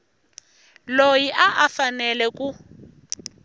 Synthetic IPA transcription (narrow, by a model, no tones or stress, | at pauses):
lojiʔaʔafanɛlɛku